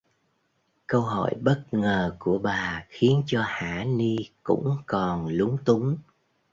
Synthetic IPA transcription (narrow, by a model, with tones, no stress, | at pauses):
kə˧wɦɔ̰˧˨jɓə˦˥t̚ŋəː˨˩ku˧˩əɓaː˨˩xi˨˦ənt͡ɕɔ˧haː˧˩ni˧kʊ̰˧˥ŋ͡mkɔ˨˩nlʊ˨˦ŋ͡mt̪ʊ˨˦ŋ͡m